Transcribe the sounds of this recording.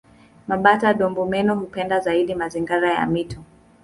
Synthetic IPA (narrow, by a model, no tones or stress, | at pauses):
maɓataɗɔmbumɛnɔhupɛndazaiɗimaziŋɡaɾaja̰mitɔ